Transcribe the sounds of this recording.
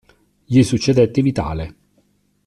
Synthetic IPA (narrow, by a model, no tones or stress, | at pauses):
jisut͡ʃːed̪ɛt̪ːɪvit̪a̰ːle